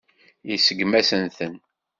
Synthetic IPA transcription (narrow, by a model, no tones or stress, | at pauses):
jisəɡmæsənθən